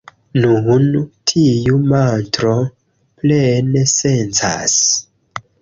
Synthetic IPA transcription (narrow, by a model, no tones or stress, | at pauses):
nuntʰijumantɾo̞ | plenesent͡sa̰s